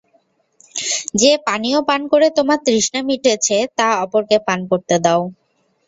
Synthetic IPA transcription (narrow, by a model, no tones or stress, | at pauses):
d͡ʑepaniopankoɾet̪omat̪ɾiʃnamiʈet͡ɕʰet̪aɔpoɾkepankoɾt̪ed̪ao